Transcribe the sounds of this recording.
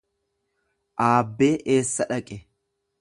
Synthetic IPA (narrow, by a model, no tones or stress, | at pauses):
ʔaːbːe̞ːʔe̞ːsːɐᶑɐkʼɛ